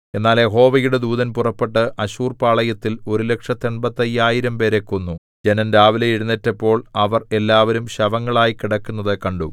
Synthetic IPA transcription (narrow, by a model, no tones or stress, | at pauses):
e̞nːaːlje̞ɦo̞ːʋɐjuɽe̞d̪uːðɐnpurɐpːe̞ʈːɨʔɐɕuːrpaːɭɐjɐt̪ːilo̞ɾule̞kʂɐt̪ːeɳbɐt̪ːɐjːaːjiɾɐmpe̞ːɾe̞kːo̞nːu | d͡ʑe̞nɐnɾaːʋilɐjiɽunːɐtːepːo̞ːɭɐʋɐre̞lːaːʋɐɾumɕɐʋɐŋːɐɭaːjikiɽɐkːunːɐðɨkɐɳɖu